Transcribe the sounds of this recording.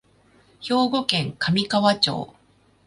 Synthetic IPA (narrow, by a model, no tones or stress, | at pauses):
ço̞ːɡo̞kẽ̞ŋkʰamʲikaβat͡ɕo̞̰ː